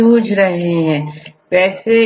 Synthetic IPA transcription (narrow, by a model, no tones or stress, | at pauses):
uːd͡ʒʱɾɐɦeɦɛ̃pɛːse